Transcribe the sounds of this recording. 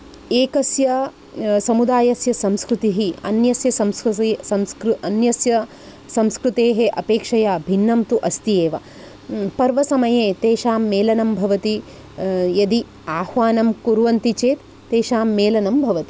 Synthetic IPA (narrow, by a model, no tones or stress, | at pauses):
eːkɐsjɐ | sɐmud̪aːjɐsjɐsɐmskɾut̪iɦiɐ̰njɐsjɐsɐmsɐmskɾɐnjɐsjɐ | sɐmskɾut̪eːɦeʔɐpeːkʂɐjaːbʱinːɐmt̪uʔɐst̪ijeːʋɐ | pɐɾʋɐsɐmɐjeːt̪eːʃaːmːeːlɐnɐmbʱɐʋɐt̪i | jɐd̪i | aːhʋaːnɐmkuɾʋɐnt̪it͡ʃeːt̪ːeːʃaːmːeːlɐnɐmbʱɐʋɐt̪i